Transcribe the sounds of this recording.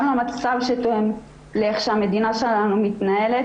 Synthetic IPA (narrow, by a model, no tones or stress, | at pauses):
lamat͡savʃet̪oem | leχʃeame̞d̪inaʃelanumit̪nae̞let